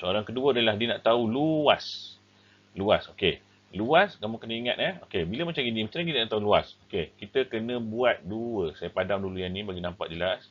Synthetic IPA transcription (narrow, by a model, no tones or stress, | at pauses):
səoɾaŋkəduəadəlahdiənaʔt̪auluas | luasoke | luaskamoŋkənə̃iŋat̪̚əokebiləmat͡ʃamɡinimat͡ʃaaɡinənaʔt̪auluasokekit̪əkənə̃buat̪̚duəsajəpadaŋdulujanːĩbaɡinampa̰k̚d͡ʒəlas